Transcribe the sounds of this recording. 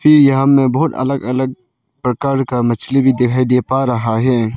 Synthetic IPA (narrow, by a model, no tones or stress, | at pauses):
fʰɪɾjɐɦãmẽbɔɦt̪ɐ̰ləɡɐləɡ̚ | pɾəkaːɾkamɐt͡ʃʰlebʱid̪ɪkʰaːid̪epaɾɐɦaɦɛː